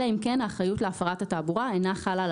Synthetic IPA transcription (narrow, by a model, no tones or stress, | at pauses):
aimkenaːχajutleafaʁatataːbuʁaejnaχalal